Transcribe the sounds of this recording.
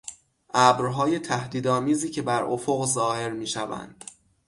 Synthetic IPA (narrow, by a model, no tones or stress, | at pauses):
ʔæbɾɦɒːje̞t̪ʰæhd̪iːd̪ɒːmiːziːcʰe̞bæɾʔofoɣzɒːhe̞ɾmiːʃævæ̰nd̪̥